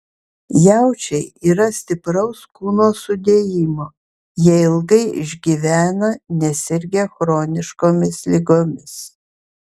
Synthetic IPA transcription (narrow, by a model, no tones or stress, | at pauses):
jæˑʊt͡ʃʲɛɪiːɾɐsʲt̪ʲɪpɾɐʊskuːnoːsʊd̪ʲeːjɪmoː | jɛɪlˠɡɐɪɪ̰ʒʲɡʲiʋʲæːnɐnʲɛsʲɪɾʲɡʲɛxɾoːnʲɪʃkoːmʲɪslʲɪɡoːmʲɪs